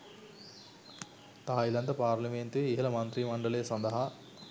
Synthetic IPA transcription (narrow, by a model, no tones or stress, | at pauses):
t̪aːjilɐnt̪ɐpaːɾlɐment̪iːɦɐlɐmɐnt̪ɾimɐɳɖɐlɐjɐsɐnd̪ɐɦɐ